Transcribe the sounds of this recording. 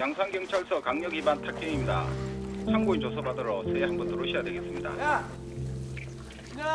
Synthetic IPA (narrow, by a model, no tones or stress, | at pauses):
jaŋsʰaŋɡjʌŋt͡ɕʰaɭsʰʌkaŋɲʌɡibantʰak̚k͈eŋimɲida̰t͡ɕʰaŋɡoint͡ɕosʰʌbadʌɾʌsʰehanmbʌntʰoɾoɕʰijadweɡe̞s͈ɯmɲida̰